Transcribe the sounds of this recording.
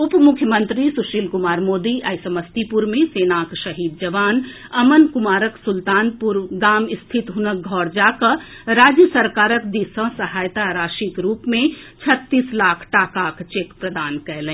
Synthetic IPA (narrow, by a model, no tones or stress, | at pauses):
ʊpmʊkʰjəmə̃nt̪ɾisuʃiːlkʊmaːɾmoːd̪iʔɐjsəməst̪ipuɾmẽseːnaːkʃɐɦiːd̪̚d͡ʒɐʋaːn | ɐmənkʊmaːɾəksʊlt̪aːnpʊɾɡaːmɪst̪ʰɪt̪ɦʊnək̚ɡʱɔːɾd͡ʒaːkə | ɾaːd͡ʒjəsəɾkaːɾəkd̪isə̃sɐɦaːjt̪aɾaːʃikɾuːpmẽt͡ʃʰɐt̪ːiːslaːkʰʈaːkaːkt͡ʃeːkpɾəd̪aːnkɛɦlẽː